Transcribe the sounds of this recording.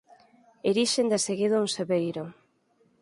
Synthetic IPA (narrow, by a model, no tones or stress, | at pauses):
eɾiʃend̪eseɣiðouŋseβejɾo